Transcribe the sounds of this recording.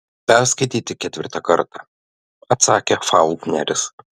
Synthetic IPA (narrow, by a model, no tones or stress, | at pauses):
pʲɛɾskɐɪt̪ʲiːt̪ʲɪkʲɛt̪ʲʋʲɪ̰ɾt̪ɑkɐɾt̪ɑ | ɐt̪sɑːkʲɛfɑʊlˠt̪ʲnʲɛɾʲɪs